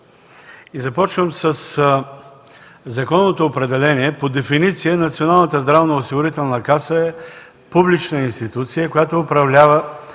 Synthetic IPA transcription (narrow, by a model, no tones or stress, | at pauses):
izɐpɔt͡ʃvəmsəs | zɐkɔnːot̪oːpɾɛd̪ɛlɛniɛpod̪ɛfinit̪sijənɐt̪sionalˠnət̪əzd̪ɾavnəosiɡʊɾit̪ɛlˠnəkasəɛ | publit͡ʃnəinst̪it̪ut̪sijəkojat̪oːpɾɐvlʲavə